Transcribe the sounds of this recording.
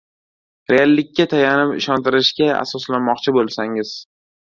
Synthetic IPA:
ɾealːɪkʲːat̪ʰajanɪpɪ̰ʃɒnt̪ɪɾɪʃkʲaa̰sɒslanmɒqt͡ʃʰɪbolˠsaŋɪz̥

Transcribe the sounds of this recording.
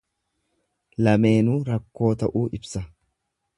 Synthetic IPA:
lɐme̞ːnuːɾɐkːo̞ːt̪ɐʔuːʔɪbsɐ

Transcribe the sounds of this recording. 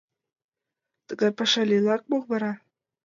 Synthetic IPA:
t̪ə̆ɡɑjpɑʃɑlʲilˠɑk̚bolβɑɾɑ

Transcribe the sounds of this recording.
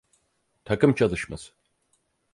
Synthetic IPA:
t̪ʰakɯmt͡ʃʰalˠɯʃmɯ̰z̥

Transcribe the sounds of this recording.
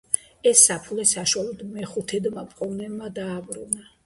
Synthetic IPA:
ɛsːapʰulɛsaʃwalˠɔd̪mɛχut̪ʰɛd̪mapʼqʼɔnɛbmad̪aːbɾṵna

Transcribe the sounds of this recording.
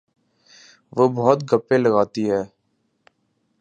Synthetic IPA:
ʋobɔɦt̪̚ɡəpːẽləɡaːt̪iɦɛː

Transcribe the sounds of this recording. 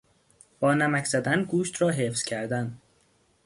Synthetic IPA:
b̥ɒːnæmækcʰz̥æd̪ænɡuːʃt̪ɾɒːɦefz̥cʰæɾd̪æn

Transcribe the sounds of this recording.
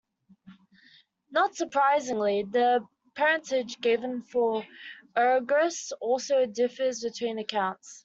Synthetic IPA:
nətsəpʰɹ̥aɪzɪ̃ŋliðə | pʰɛɹə̃ntʰɪd͡ʒɡɪvə̃nfə | ɜɡɹəsɔˑlˠsəʊdɪfəzbɪtʰw̥ĩːnəkʰãʊ̃nts

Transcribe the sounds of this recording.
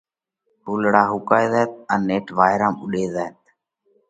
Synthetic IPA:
ɦuːlɽaːɦʊkaːjzaːt̪̚ənːeːʈʰʋaːjɾãːmʊɗeːzaːet̪̚

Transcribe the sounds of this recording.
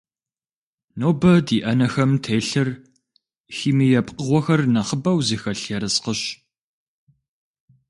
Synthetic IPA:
noːbɐdiːʔɐnɐxɐmtʰeːɬɨr | xiːmijɛpqəʁʷɔxɐrnɐχəbɐwziːxɐɬɛɾɨsqəɕ

